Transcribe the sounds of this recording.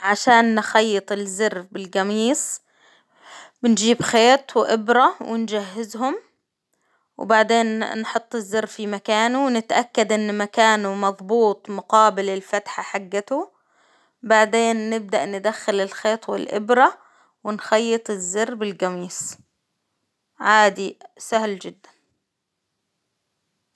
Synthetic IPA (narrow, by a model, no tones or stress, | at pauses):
ʕaʃaːnːxajːɪt̪ˤɪlzɪrbɪlɡamiːs | bɪnd͡ʒiːbxeːt̪ˤwɪʔɪbɾˤɑwɪnd͡ʒaɦːɪzɦʊm | w̰baʕd̪eːnːħʊt̪ˤːɪzːɪɾːfimakaːnuwnɪt̪ʔakːad̪ʔɪnːmakaːnumɑðˤbuːt̪ˤmʊqɑːbɪlɪlfat̪ħaħaɡːat̪u | baʕd̪eːnːɪb̚d̪aʔnɪd̪axːalɪlxeːt̪ˤwɪlʔɪ̰bɾɑ | wɪnxɑjːɨt̪ˤɪzːɪrːbɪlɡamiːs | ʕaːd̪isahld͡ʒɪd̪ːan